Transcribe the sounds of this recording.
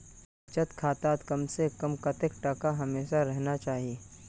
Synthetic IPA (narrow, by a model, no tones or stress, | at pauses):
t͡ʃət̪kʰaːt̪aːt̪kɐmsekɐmkɐt̪ɪkʈɐkaɦɐmeːʃaɾɛɦnat͡ʃaːɦieː